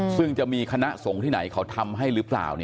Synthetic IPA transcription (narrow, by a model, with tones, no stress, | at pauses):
sɯ˥˩ŋt͡ɕa˨˩ʔmiː˧kʰa˧na˦˥ʔso˩˦ŋt̪ʰiː˥˩na̰˩˦jkʰa˦˥wt̪ʰa˧mɦa˥˩jɾɯː˦˥pla̰ː˨˩wni˥˩